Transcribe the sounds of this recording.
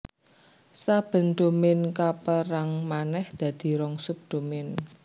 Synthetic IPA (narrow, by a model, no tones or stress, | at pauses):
sab̥ə̤nd̪̥o̤mɪnkapəɾaŋmanɛhd̪̥ä̤d̪̥i̤ɾɔŋsup̚d̪̥o̤mɪn